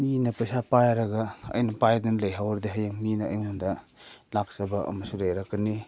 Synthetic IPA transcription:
minɐpɐjsapajɾɐɡɐɐ̰jnɐpajdɐnlɐjɦawɾdiɦajaŋminɐ̰ːjŋundɐlak̚sɐbɐʔɐ̰mɐsulɐjɾakːɐni

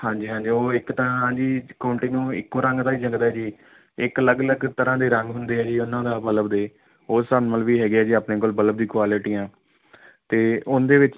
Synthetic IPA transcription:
hãːɲd͡ʒiːɦãːɲd͡ʒiːoːɪkt̪aãːɦãːd͡ʒiːkːoːɳʈiːnũːɪ̰kːoːɾəŋɡt̪ãːiːd͡ʒəŋɡd̪aːɛːd͡ʒiː | ɪkələɡələɡt̪əɾãːd̪eːɾəŋɡɦʊnd̪eːɛːd͡ʒiːʊnːãːd̪aːbələbd̪eː | oːsənməlʋiːɦɛːɡɪaːd͡ʒiːaːpneːkoːlbələb̚d̪ĩːkwaːlɪʈiːãː | t̪eːʊnd̪eːʋɪt͡ʃ

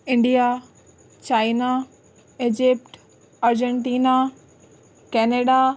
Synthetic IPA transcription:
ɪ̃ɳɖija | t͡ɕaːɪna | ɪd͡ʑɪp̚ʈ | ɐɾd͡ʑɛɳʈiːna | kɛːneːɖa

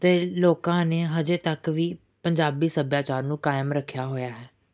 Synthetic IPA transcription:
t̪eːloːkãːneːɦəd͡ʒeːt̪əkʋiː | pəɲd͡ʒaːbiːsəbjaːt͡ʃaːɾnũːkaːɪmɾəkʰːjaːɦoːjaːɦɛː

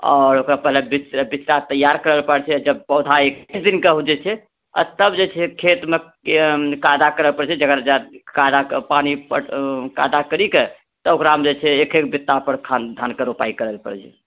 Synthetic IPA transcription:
ɔ̰ɾokɾapəɦlebit͡ʃɾbit͡ʃɾat̪əjaɾkəɾəlpəɽt͡ʃʰɛd͡ʒəb̚pəd̪ʱaekt͡ʃʰd̪inkeɦud͡ʒɛt͡ʃʰɛ | ɔ̰t̪əbd͡ʒet͡ʃʰɛkʰet̪me | kajd̪akəɾəlpəɽt͡ʃʰɛd͡ʒəɡəɾd͡ʒakad̪apanipə̰ka̰d̪akəɾike | t̪ɔokɾamd͡ʒet͡ʃʰɛekʰekbit̪ːapəɾkʰand̪ʱankəɾupa̰ikəɾəlpə̰ɽt͡ʃʰɛ̰

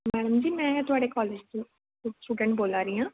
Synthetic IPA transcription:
mɛːɽəmd͡ʒiːmɛ̃ːt̪ʊaːɖekɔːleːd͡ʒt̪ũ | sʈuːɖə̃ɳʈ̚boːlaːɾiːãː

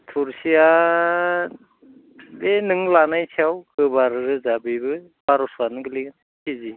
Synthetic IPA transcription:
t̪ʰuɾsija | benɯŋlanajt͡ʃʰiawkɯbaɾɯɾɯzabibɯ | b̥aɾɔswanɯɡɯliɡan | kizi

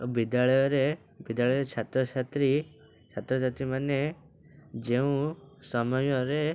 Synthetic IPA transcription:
bid̪jaɭɔjɔɾe | bid̪jaɭɔjɔɾet͡ʃʰat̪ɾɔt͡ʃʰat̪ɾi | t͡ʃʰat̪ɾɔt͡ʃʰat̪ɾimane | d͡ʒeũsɔmɔjɔɾe

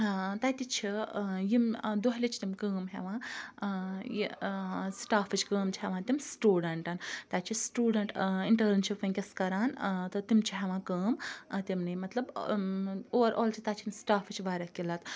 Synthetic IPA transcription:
t̪aːt̪it͡ʃʰijimd̪oɦlit͡ʃʰt̪imkəːmɦḛʋãː | jisʈaːfɨt͡ʃʰkəːmt͡ʃʰiɦeʋãːt̪imsʈuːɖɐɳʈɐːnt̪aːt͡ʃʰisʈuːɖɐɳʈiɳʈɐɡɾnt͡ʃʰifɐŋkʲɐskɐɾaːnt̪ɐt̪imt͡ʃʰiɦeʋãːkəːmt̪imnimɐt̪lɐb | oːʋɐɾʔoːlt͡ʃʰit̪aːt͡ʃʰinsʈaːfʰɨt͡ʃʰʋaːɾɐkilɐt̪

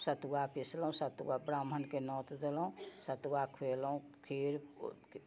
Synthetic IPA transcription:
sət̪wapʰisləũsət̪wabɾaːm̤ənkenɔːt̪d̪elũsət̪uwakʰeːlũkʰiːɾ

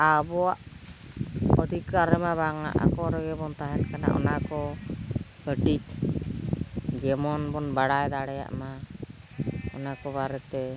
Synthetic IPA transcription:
abɔaʔ | ɔd̪ʱikaɾɛmaβaŋa̰ʔa̰kɔɾɔɡɛbɔnt̪aɦɛnkana̰ʔɔ̰nakɔ | kəʈit̪ | d͡ʒɛmɔnbɔnbaɽajd̪aɽɛja̰ʔma | ɔnakɔβaɾɛt̪ɛ

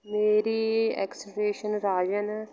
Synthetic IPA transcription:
meːɾiːɛ̰ːksʈeːʃənɾaːd͡ʒən

